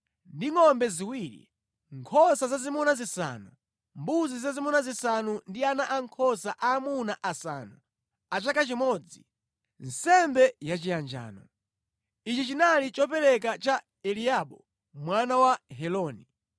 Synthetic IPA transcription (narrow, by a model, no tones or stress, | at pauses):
ndiŋɔmbɛziwiɾḭ | ŋkʰɔsazazimunazisa̰nu | mbuzizazimɔnazisanundianaʔaŋkʰɔsaʔaːmunaʔasa̰ːnu | at͡ʃakat͡ʃimɔd͡zi | n̩sɛmbɛjat͡ʃijand͡ʒa̰ːnɔ | it͡ʃit͡ʃinalit͡ʃɔpɛɾɛk̬at͡ʃa | ɛliaɓɔ | mwanawaɦɛlɔːni